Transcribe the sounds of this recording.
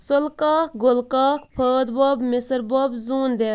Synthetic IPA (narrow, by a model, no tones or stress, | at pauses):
solkaːkɡolkaːkpʰəːd̪bɔːbmesəɾbɔːbzuːnd̪eː